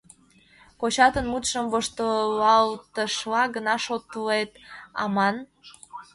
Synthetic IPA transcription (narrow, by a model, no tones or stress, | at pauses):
kot͡ɕɑt̪ənmut̪ʃəmvoʃt̪əlɑlt̪əʃlɑɡənɑʃot̪əlet̪ɑ̰mɑn